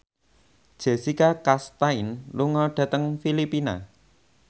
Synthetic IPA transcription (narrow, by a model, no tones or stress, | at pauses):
d̥ʒ̥esikakast̪ainluŋɔɖ̥ä̤t̪əŋfilipina̰